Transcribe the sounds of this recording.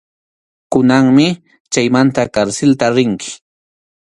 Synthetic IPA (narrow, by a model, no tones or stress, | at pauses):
kʊnaŋmɪ | t͡ʃajmant̪akaɾsɪlt̪aɾɪŋkʰɪ̥